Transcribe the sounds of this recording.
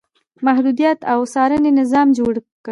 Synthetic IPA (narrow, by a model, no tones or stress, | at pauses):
mahd̪ud̪ijat̪awsɑɾənenɪzɑmd͡ʒoɽk